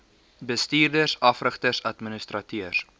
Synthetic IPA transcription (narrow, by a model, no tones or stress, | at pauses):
bəstiːrdərsɐfrəχtərsɐtmənəstrɐtiərs